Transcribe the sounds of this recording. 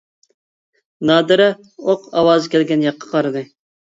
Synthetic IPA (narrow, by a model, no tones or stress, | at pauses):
nɑːd̪ɨɾɛ | oqɑwɑːzɨkʲɛlɡʲɛnjɑqʰːɑ̥qʰɑɾɨd̪ɨ